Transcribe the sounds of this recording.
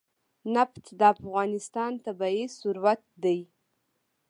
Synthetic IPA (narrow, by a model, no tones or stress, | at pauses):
napt̪d̪əafɣɑnɪst̪ɑnt̪abɑisuɾwat̪̚d̪aj